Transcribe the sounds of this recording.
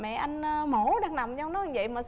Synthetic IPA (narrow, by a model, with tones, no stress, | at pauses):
mɛ̰˧˨ʔa˧jŋ̟ː˧mo˧˩ɗaː˨˧˩ŋna˨˩wŋ͡mt͡ɕɔ˧wŋ͡mnɔ˨˦a˧ŋvə̰˧˨jmaː˨˩s